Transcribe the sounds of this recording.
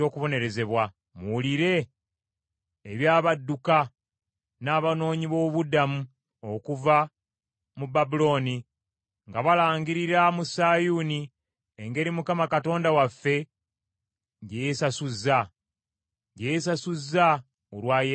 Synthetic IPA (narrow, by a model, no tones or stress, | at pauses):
o̞ːkuβo̞ne̞ɾe̞ze̞βwa | muuliɾe̞ | βjaːβadːuka | naːβano̞ːɲiβo̞βudamu | o̞kuva | mubabulo̞ːni | ŋɡaβalaːŋɡiɾiɾamusaːjuni | eŋɡe̞ɾimukamakato̞ːndawafːe̞ | ɟejesasuzːa | ɟejesasuzːa | olwaːje